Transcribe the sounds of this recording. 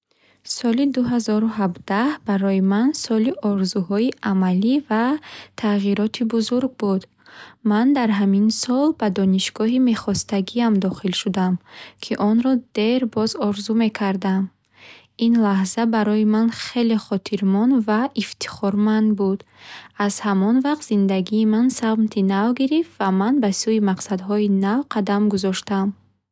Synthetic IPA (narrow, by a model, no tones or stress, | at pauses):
sɔlid̪uɦazɔɾuɦabd̪ahbaɾɔjimansɔliʔɔɾzuhɔiʔamalivat̪ʰaʁiɾɔt̪ʰibuzuɾɡ̚bud̪ | mand̪aɾɦaminsɔlbad̪ɔniʃɡɔɦime̞χɔst̪aɡiamd̪ɔχilʃud̪amkʰiʔɔnɾɔd̪̥e̞ɾbɔzɔɾzume̞kʰaɾd̪am | inlahzabaɾɔjimanχe̞leχɔt̪ʰiɾmɔnvaʔift̪ʰi̥χɔɾmand̪bud̪̥az̥hamɔnvaqt̪z̥ind̪aɡiːmansaʁmt̪ʰinavɡiɾift̪vamanbasuimaqsad̪ɦɔinavqʰad̪amɡuzɔʃt̪am